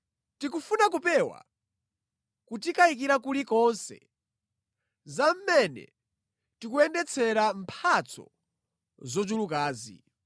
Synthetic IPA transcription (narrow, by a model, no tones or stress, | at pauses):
tikufunak̬upɛwa̰ | kut̬ikaik̬iɾakulikɔnsɛ̰ | zam̩mɛnɛ̰ | tikuɛndɛt͡sʰɛɾampʰat͡sʰɔ̰ | zɔd͡ʒulukaːzḭ